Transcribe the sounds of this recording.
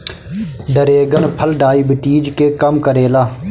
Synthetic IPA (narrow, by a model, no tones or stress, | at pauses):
ɖ̪əɾeːɡənpʰəlɖaːiːbɪʈiːd͡ʒkeːkəmkəɾeːlaː